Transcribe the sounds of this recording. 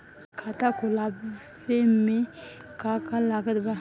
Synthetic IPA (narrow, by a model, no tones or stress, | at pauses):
kʰat̪akolab | semekakalakad̪ba